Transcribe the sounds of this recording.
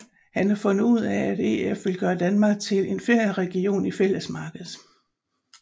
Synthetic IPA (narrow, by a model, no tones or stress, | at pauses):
hænhɑ̈fɔ̽n̰ð̩ˠuð̞̰ˠææd̥e̝̰efʋe̝lɡ̥ɶːɐd̥ænmɑ̈ːɡ̥̚t͡sʰe̝le̝nfe̝ɐ̰jɐʁɛɡ̥io̝̰ːnifel̰əsmɑ̈ːɡ̥əð̩ˠ